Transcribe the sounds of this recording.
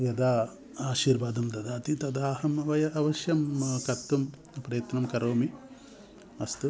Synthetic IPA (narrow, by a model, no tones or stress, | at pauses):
jɐd̪aː | aːʃiːɾʋaːd̪ɐmt̪ɐd̪aːt̪it̪ɐd̪aːɦɐmɐʋɐjɐʔɐʋɐʃjɐmkɐt̪ːum | pɾɐjɐt̪nɐmkɐɾoːmi | ɐst̪u